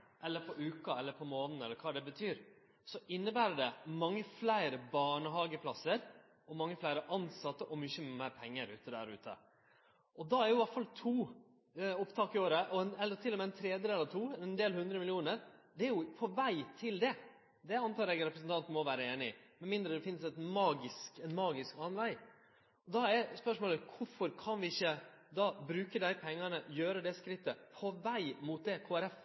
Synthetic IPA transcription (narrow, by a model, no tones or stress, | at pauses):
ʔɛlːəɾpʰɔʔʉːkɑɛlːəɾpʰɔmoːnn̩ɛlːəɾkʰɑːd̪ɛbət̪ʰyːɾ | sɔʔɪnːəbæːɾəɖɛmɑŋːəflæɪɾəbɑːɳəɦɑːɡəpʰlɑsːəɾ | ʔɔmɑŋːəflæɪɾəʔɑnsɑt̪ːəʔɔmʏçəmæɪɾpʰɛŋːəɾʉːt̪əd̪æ̰ɾʉ̰ːt̪ʰə̰ | ʔɔd̪ɑæɾjʊʋɑʈfɑlt̪ʰuː | ʊpt̪ʰɑːkɪoːɾəʔɔɛnɛlːəɾt̪ʰɪlːɔmɛɛnt̪ʰɾeːd̪jəd̪ɛlːəɾt̪ʰuːnd̪eːlhʉnd̪ɾəmɪlɪuːnəɾd̪ɛæɾjʊpʰɔʋæɪt̪ʰɪld̪ɛ | d̪ɛɑnt̪ʰɑːɾɛɡɾɛpɾəsn̩t̪ɑnt̪nmɔʋæːɾəeːnɪɪmɛnmɪnd̪ɾəd̪ɛfɪnːəsɛt̪mɑːɡɪskɛnmɑːɡɪskɑːnʋæɪ | ɔd̪ɑɛɾspœʂmoːləkʰʊfɔɾkʰɑnʋɪɪçːəd̪ɑːbɾʉːkəd̪æɪpʰɛŋːɑnəjøːɾəd̪ɛskɾɪt̪ːəpʰɔʋæɪmuːt̪̚d̪ɛkʰoːæɾɛf